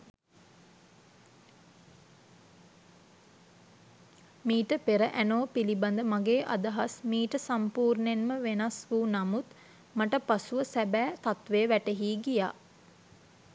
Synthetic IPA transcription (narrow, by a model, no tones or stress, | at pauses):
miːʈəpeɾəʔænoːpiliband̪əmaɡeːʔa̰d̪ɐɦasmiːʈəsampuːrnenməʋenasʋunamut̪ | maʈəpasuʋəsæbæːt̪at̪ʋejəʋæʈeɦiːɡija̰ː